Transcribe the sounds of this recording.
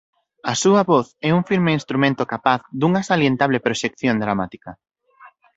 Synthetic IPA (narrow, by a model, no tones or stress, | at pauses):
ɐsuɐβoθɛuŋfiɾmeinst̪ɾumẽnt̪okapaθðuŋɐsaljent̪aβlepɾoʃekθjond̪ɾamat̪ikɐ